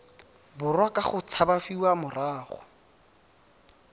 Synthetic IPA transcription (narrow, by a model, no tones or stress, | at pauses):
bʊrwakaχʊt͡sʰabafiwamʊraːχʊ̰